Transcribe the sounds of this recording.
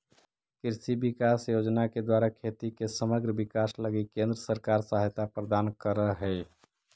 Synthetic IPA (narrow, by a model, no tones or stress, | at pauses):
kɪɾsibikaːsjod͡ʒnaked̪waːɾakʰet̪ikesəməɡɾəbikaːsləɡikẽnd̪ɾəsəɾkaːɾsaɦt̪apɾəd̪aːnkəɾəɦɛː